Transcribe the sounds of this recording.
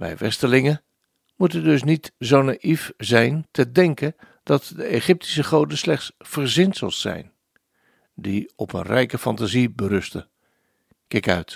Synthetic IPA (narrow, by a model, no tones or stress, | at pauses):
ʋɛ̰jʋɛ̰stəlɪŋə | mutəndɵs̬nitzownaʔifzɛjntədɛŋkən | d̥ɑtdəeχɪp̚tʰi̥səχowdəslɛχtsfəɹzɪntsə̰lˠsɛ̰jn | diɔpə̰nrɛjkəfɑntazibəɾɵstə̰ | kɪkœ̰ɥt